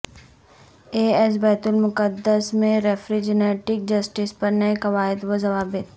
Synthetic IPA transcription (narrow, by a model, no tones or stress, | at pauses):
eːɛs̬bɛːt̪ʊlmʊkəd̪ːəsmẽɾɛfɾid͡ʒɪneːʈɪk̚d͡ʒɐsʈɪspɐɾnɐekɐʋaːɪd̪ʋozɐʋaːbɪt̪̚